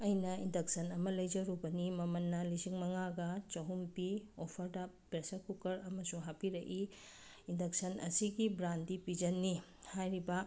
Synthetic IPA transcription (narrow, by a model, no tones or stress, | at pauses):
ɐjnɐindɐksɐnɐmɐlɐjd͡ʒɐɾubɐnimɐmɐnːɐlisiŋmɐŋaɡɐt͡ʃɐɦumpiopʰɐɾda | pɾesɐkukɐɾɐmɐsuŋɦapiɾɐʔi | indɐk̚sɐnɐ̰siɡibɾandipid͡ʒɐnːi | hajɾibɐ